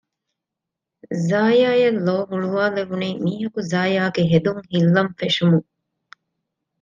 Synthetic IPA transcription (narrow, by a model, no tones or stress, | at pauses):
zaːjaːjɐlːoːɦuɭuʋaːleʋuniːmiːɦɐkuzaːjaːɡeɦed̪uŋhilːɐmfeʃumuŋ